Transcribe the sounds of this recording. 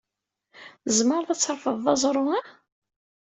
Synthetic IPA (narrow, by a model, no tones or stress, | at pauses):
zməɾˤðæt͡sːəɾˤfəðˤːɑzˤɾˤʊæ